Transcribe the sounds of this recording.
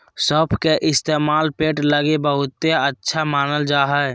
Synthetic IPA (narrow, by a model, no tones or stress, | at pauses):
sɔpʰkeʔɪst̪eːmaːlpeːʈləɡebəɦʊt̪ːeətːʃʰamaːnəld͡ʒaːɦɛ